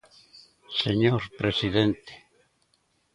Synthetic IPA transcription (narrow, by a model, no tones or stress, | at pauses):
seɲoɾpɾesiðent̪e̥